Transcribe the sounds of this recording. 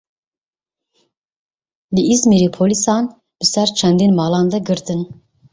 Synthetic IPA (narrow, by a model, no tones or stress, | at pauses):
d̪ɨizmeɾipʰolisɑːn | b̥ɨsɛɾt͡ʃʰɛnd̪inmɑːlɑːnd̪ɛɡɨɾt̪ɨn